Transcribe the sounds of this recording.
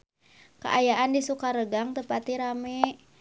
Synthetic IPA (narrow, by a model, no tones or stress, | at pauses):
kə̰ʔajaʔandisukaɾəɡaŋt̪əpat̪iɾamɛ